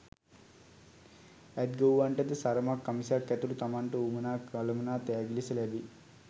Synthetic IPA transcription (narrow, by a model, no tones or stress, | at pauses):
æt̪̚ɡəuʋaɳʈəd̪əsaɾəmakːamisakːæt̪ulut̪amaɳʈəuːmənaːkaləmənaːt̪ɛaɡilisəlæbi